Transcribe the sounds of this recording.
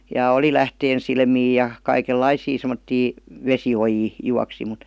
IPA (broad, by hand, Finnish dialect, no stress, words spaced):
jɑ oli læhteːnsilmiː jɑ kɑikelːɑisiː semə̆tːiː ʋesiojiː juɑksi mut